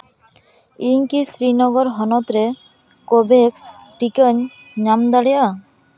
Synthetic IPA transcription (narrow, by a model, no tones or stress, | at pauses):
iɲkisɾinɔɡɔɾɦɔnɔt̪ɾe | kobeksʈikəɲ | ɲamd̪aɽɛja